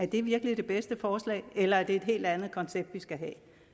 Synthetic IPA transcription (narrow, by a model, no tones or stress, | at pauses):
æɐd̥e̝ʋiɐɡ̥əlid̥e̝b̥esd̥əfɒːslɛ̰ːɪelɐæɐd̥e̝ːd̥ɦe̝̰ːld̥ænð̩ˠkʰɒ̽nseb̥̚d̥ʋisɡ̥æɦɛ̰ː